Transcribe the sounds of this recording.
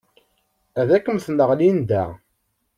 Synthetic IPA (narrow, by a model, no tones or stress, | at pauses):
æðækːəmθnəʁlind̪æ